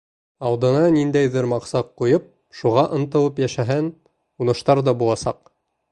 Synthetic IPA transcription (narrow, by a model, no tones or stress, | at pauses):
ɑwd̪ɤ̆nɑnind̪æjðɘɾmɑqsɑqːujɤp̚ | ʃuʁɑʔɤ̆nt̪ɤ̆w̪ˠɤpjæʃæɦæn | unɤ̆ʃt̪ɑɾd̪ɑbulˠɑsɑq